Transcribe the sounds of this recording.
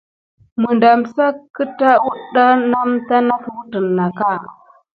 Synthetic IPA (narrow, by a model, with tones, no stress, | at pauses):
mə˨nda˨msa˦kːə˦ta˦wu˦ɗa˦na˦mta˦na˦fwu˦tə˨nːa˨ka˦˨